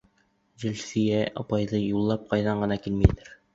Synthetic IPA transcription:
ʑɘ̆lsĭjæʔɑ̰pɑjðɤjulˠːɑp̚qʰɑjðɑɴɢɤ̆nɑkilmijt̪ɘɾ

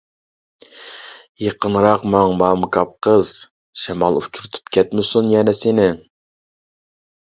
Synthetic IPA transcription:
jəqənɾɑqmɑŋmɑːmkʰɑp̚qʰəz̥ | ʃɛmɑlˠut͡ʃʰuɾɨt̪ʰu̥pkʲʰɛt̪mɪsunjɛnɛsɪnɪ

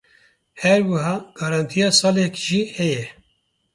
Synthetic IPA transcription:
hɛɾwɨɦɑːɡ̥ɑːɾɑːnt̪ʰijɑːsɑːlɛkʒihɛjɛ

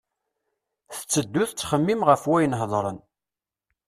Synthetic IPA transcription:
θə̥t͡sːəd̪ːʊθt͡sːχəmːimʁəfwæjənɦðˤɾˤə̰n

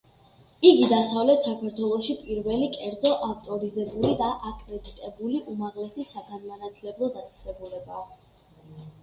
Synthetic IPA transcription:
iɡid̪asavlɛt̪ʰsakʰaɾt̪ʰwɛlˠɔʃipʼiɾvɛlikʼɛɾd̪zɔʔaft̪ʼɔɾizɛbulid̪aʔakʼɾɛd̪it̪ʼɛbuliʔumaʁlɛsisaɡanmanat̪ʰlɛblˠɔd̪at̪sʼɛ̥sɛbulɛbaː

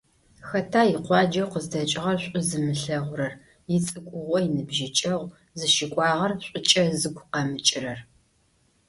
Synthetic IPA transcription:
xɐtʰaːjɪqʷɑːd͡ʒɐwqəzdɐt͡ʃʼɪʁɐrɕʷʼʊzɨmɨɬɐʁʷʊɾɐr | jɪt͡sʼɨkʷʼʊʁʷɔjɪnɨbʒɪt͡ʃʼɐʁʷ | zɨʃɪkʷʼɑːʁɐrɕʷʼʊt͡ʃʼɐzɨɡʷʊqɑmɨt͡ʃʼɪrɐr

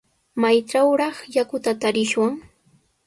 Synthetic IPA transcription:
majʈ͡ʂawɾɑχjakʊt̪at̪aɾɪʃwaŋ

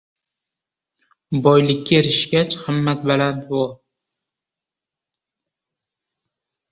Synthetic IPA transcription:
bɒjlɪkʲʰːaɾɪʃɡʲat͡ʃhamːat̪̚balant̪bɒ

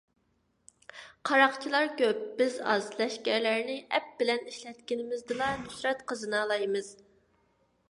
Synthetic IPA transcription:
qʰɑɾɑqt͡ʃʰilˠɑɾkʲøp̚b̥ɪzɑ̰zlɛʃkʲæɾlæɾnɪʔɛp̚b̥ɪlɛniʃlɛt̪kʲɪnɪmɪzd̪ɨlˠɑnysɾɛt̪qʰəzɨnɑlˠɑjmɨz̥

